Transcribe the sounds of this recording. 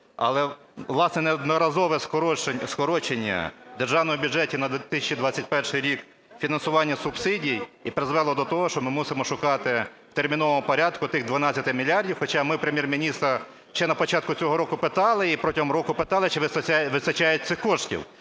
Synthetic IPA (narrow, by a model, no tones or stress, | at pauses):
ɐ̰lˠɛ | ʋlˠɑsnɛnɛɔd̪nɔɾɐzɔʋɛskɔɔskɔɾɔt͡ʃenʲːɐ̰d̪erʒɑʋnɔmɔbʲʊd͡ʒɛtʲinɐd̪ʲt̪ɪsʲɐt͡ʃid̪ʋɑt͡sʲːɐtʲpɛrʃɪjɾʲik | fʲinɐnsʊʋɑnʲːɐsʊbsɪdʲiijipɾɪzʋɛlˠɔd̪ɔt̪ɔɦɔʃt͡ʃɔmɪmusɪmɔʃʊkɑt̪ɪwt̪ermʲin̪ɔʋɔmʊpɔɾʲɑd̪kʊt̪ɪɣd̪ʋɐnɑt͡sʲːɐt̪ɪmʲilʲiɑrdʲiwxɔt͡ʃɑmɪpɾemjermʲinʲist̪ɾɐ | ʃt͡ʃɛnɐpɔt͡ʃɑt̪̚kʊt͡sʲɔɦɔɾɔkʊpɪt̪ɑlˠɪipɾɔtʲɪɦɔmɾɔkʊpɪt̪ɑlˠɪt͡ʃɪʋɪsɐʋɪsɐt͡ʃɑjʊt̚ʲt̪sɪxkɔʂtʲḭw